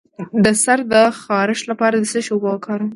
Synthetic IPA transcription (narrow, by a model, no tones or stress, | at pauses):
d̪əsaɾd̪əxɑɾɪʃlapɑɾad̪əsəʃobɑkʰɑɾ